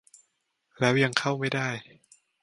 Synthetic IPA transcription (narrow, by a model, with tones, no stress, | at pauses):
lɛː˦˥wja˧˩ŋkʰa˥˩wma˥˩jdaː˥˩j